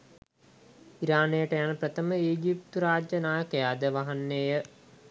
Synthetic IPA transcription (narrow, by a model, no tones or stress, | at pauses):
iɾaːnejəʈəjanəpɾət̪əməiːɡipt̪uɾaːd͡ʒjənaːjəkəjaːd̪əʋaɦanːejə